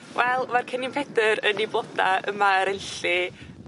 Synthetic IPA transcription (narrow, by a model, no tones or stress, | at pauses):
wʔɛlˠmarkʰənimpʰɛdəɾənibɔd̥a̰əmaəɾəjɬɨ